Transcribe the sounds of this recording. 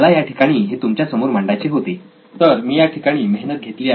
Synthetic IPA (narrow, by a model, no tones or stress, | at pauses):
lajaʈʰikaɽ̃iːɦet̪umt͡ɕjasəmoɾm̤əɳɖajt͡ɕiɦot̪i | t̪əɾmiːjaʈʰikaɽ̃iːmeɦnət̪̚ɡʱet̪liːa